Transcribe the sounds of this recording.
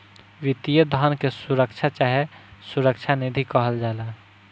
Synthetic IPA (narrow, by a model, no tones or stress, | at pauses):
ʋit̪ijəd̪ʱənkesuɾəkt͡ʃʰat͡ʃaɦesuɾəkt͡ʃʰanid̪ʱikəɦəld͡ʒala